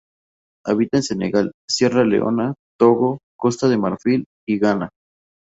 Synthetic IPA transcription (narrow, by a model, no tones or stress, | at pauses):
aβit̪aense̞neɣalsje̞ralḛʔo̰nat̪oɣoko̞st̪aðe̞maɾfil | iɣana